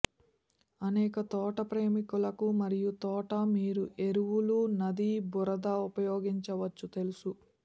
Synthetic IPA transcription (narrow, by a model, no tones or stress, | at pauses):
ɐnɛːkɐt̪ɔːʈɐpɾeːmikulɐkumɐɾijut̪ɔːʈɐmiːɾuʔe̞ɾuʋulunɐd̪ibuɾɐd̪aːupɐjoːɡiɲt͡ʃɐʋɐt͡ʃːut̪e̞lusu